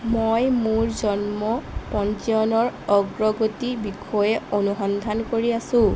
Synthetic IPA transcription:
mojmuɹzɔnmɔpɔntiɔnɔɹɔɡɹɔɡotibikʰɔjɛonuɦɔndʱankoɹiasʊ̃

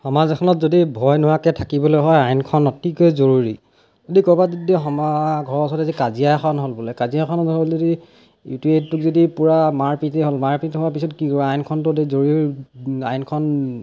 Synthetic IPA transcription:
hɔmazɛkʰɔnɔtzodibʱɔjnʊwakɛtʰakibɔlojɦɔjajnkʰɔnɔtʰikojzoɹuɹi | odikɔbadidɛɦɔmaɡʱɔɹɔsɔtɛzikaziakʰɔnɦolbulɛkaziakʰɔnɔolzodi | jṵtuettːukzodipuɹamaɹpitɛɦolmaɹpitɦʊap̬isɔtkikɔajnkʰɔntʊdezoɹi | ajnkʰɔn

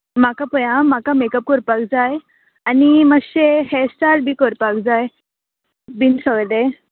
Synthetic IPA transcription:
makapəjãmakamekəp̚kəɾpakd͡zaj | animəɡɕehesʈaɾbʱiːkəɾpakd͡zaj | binsəʋd̪e

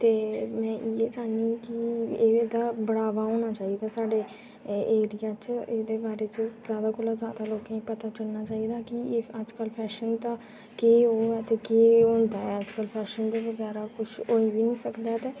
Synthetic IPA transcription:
t̪eːmɛ̃ːʔieːd͡ʒaːnikɪeːeːd̪aːbəɽaːʋaːɦoːnaːt͡ʃaːiːd̪aːsaːɖeː | eːɾɪjãːt͡ʃeːd̪eːbaːɾeːt͡ʃəzjaːd̪aːkʊlaːzjaːd̪aːloːkãːĩːpət̪aːt͡ʃəlnaːt͡ʃaːid̪aːkɪəd͡ʒkəlpʰɛːʃənt̪ãː | keːɦoːɛt̪eːkeːõnd̪aːɛəd͡ʒkəlpʰɛːʃənd̪eːʋəɡɛːɾaːkʊʃʰoːiːʋiːnĩːsəkd̪aːt̪eː

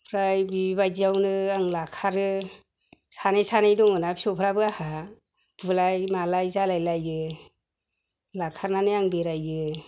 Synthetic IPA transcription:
pʰɾajbiibajd͡ʒiawnɯaŋlakʰaɾɯ | sanajsanajdɔŋɯnapʰi̥sɔpʰɾabɯaha | b̥ɯlajmalajzalajlajɯ | lakʰaɾnanɯjaŋbeɾajɯ

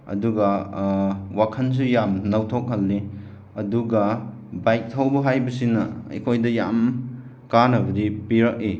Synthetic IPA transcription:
ɐ̰duɡɐ | wakʰɐns̬ujamnɐwtʰok̚ɦɐlːi | ɐduɡɐ | bajk̚tʰɐwbɐɦajbɐsinɐ̰ḛkʰojdɐja̰m | kanɐbɐdipiɾɐk̚i

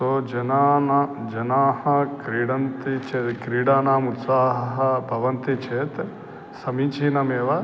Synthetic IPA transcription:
sod͡ʒɐnaːnd͡ʒɐnaːhɐkɾiːɽɐnt̪it͡ʃʰekɾiːɽaːnaːmut̪saːɦɐɦɐ̆bʱɐʋɐnt̪it͡ʃʰeːt̪ | sɐmiːt͡ʃʰiːnɐmeːʋɐ

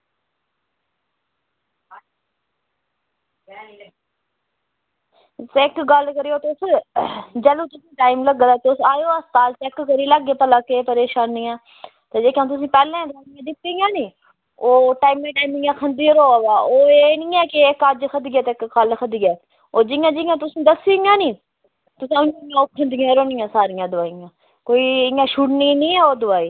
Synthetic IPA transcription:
t̪ːɪkɡəlkəɾioːt̪ʊs | d͡ʒɛluːt̪ʊsĩːʈaːimləɡd̪aːt̪eʊsaːjoːəst̪aːlt͡ʃɛkːəɾiːləɡeːpəlaːkepəɾeːʃaːnːiːãː | t̪eːd͡ʒeːkãmt̪̬ʊs̬ĩːpɛːlẽːd̪aːnmẽːd̪ɪt̪ːĩːɡãːniː | oːʈaːimmẽːʈaːimɪãːkʰənd̪iːɾoːaːʋaːoːeːnĩːɛːkekad͡ʒkʰəd̪ɡaːt̪ekkalkʰəd̪ɪɡɛː | oːd͡ʒɪjãːd͡ʒɪɡãːt̪ʊsĩːd̪əsiːŋãːnĩː | t̪ʊsĩʊñːãoːkʰə̃nd̪ijãːɾoːnĩjãːsaːɾijãːd̪ʊʋaːijãː | koːiːɪjãːʃuɽnĩːnĩːɛːoːd̪ʊʋaːiː

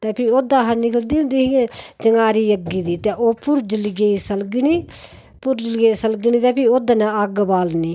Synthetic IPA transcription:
t̪eːpʰioːd̪ãːɦəɾnɪkəld̪iːɦʊ̃nd̪iːɦiẽt͡ʃəŋaːɾiːjəɡiːd̪iːt̪eʔoːpʊɾd͡ʒɪlɡeiːsəlɡniː | pʊɾd͡ʒɪlɡeisəlɡniːt̪eːpioːd̪aːnãəɡbaːlniː

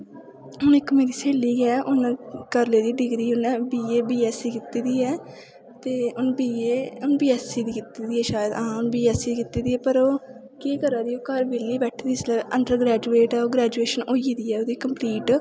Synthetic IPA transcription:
ɦʊnɪkːmeːɾiːseːliːɡɛːʔʊnkəɾleːd̪iːɖɪɡɾiːʊnbiːeːbiːɛːsiːkɪt̪iːd̪iːɛː | t̪eːʊnbiːeːʊnbiːɛːsiːd̪iːkɪt̪iːd̪iːɛːʃaːjəd̪ʔaãːʊnbiːɛːsiːkɪt̪iːd̪iːɛːpəɾoː | kiːkəɾãːd̪iːoːkəɾbeliːbɛːʈʰd̪iːslɛːəɳɖəɾɡɾɛːd͡ʒuːeːʈɛːoːɡɾɛːd͡ʒueːʃənoːiːd̪iːɛːod̪iːkəmpliːʈ

